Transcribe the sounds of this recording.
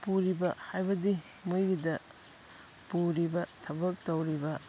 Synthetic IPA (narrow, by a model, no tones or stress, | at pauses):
puɾibɐhajbɐdi | mujɡidɐ | puɾibɐtʰɐbɐk̚tɐwɾibɐ